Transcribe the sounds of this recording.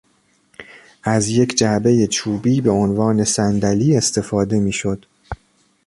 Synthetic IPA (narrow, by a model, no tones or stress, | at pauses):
ʔæzje̞cʰd͡ʒæʔbe̞je̞t͡ʃʰuːbiːbe̞o̞nvɒːne̞sænd̪æliːe̞st̪ʰe̞fɒːd̪e̞miːʃo̞d̪̥